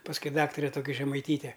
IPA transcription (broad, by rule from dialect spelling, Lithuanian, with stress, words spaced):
pɐsˈkʊɪ ˈdɑːktɐrʲɛ ˈtoːkʲɪ ʒʲɛmɐɪˈtʲiːtʲɛ